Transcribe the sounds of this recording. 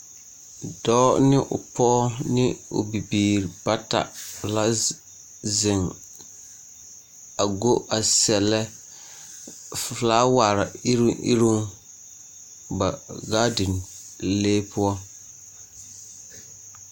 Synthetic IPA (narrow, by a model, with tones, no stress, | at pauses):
d̥ɔː˦nɪ˦ʔʊ̰˨pɔ˦nɪ˦ʊ̰˨bi˨biː˨ɾi˨ba˦ta̰˨la˦ | zɪ˨ŋ | a˨ɡo˦ʔa˨sɛ˨lɛ˦ | flaː˦wa˨ɾa˨i˦ɾḭ˦ɾu˦ŋ | ba˨ɡaː˦dɪ˨n | leː˦pʊ˦ɔ˦